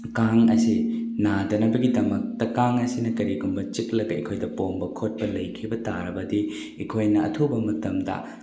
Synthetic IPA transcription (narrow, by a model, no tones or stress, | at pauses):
kaŋɐ̰sinadɐnɐbɐɡidɐmɐk̚tɐkaŋɐsinɐkɐɾiɡumbɐt͡ʃik̚lɐɡɐikʰojdɐpombɐkʰot̚pɐlɐjkʰibɐta̰ɾɐbɐdi | ikʰojnɐɐ̰tʰubɐmɐtɐmdɐ̰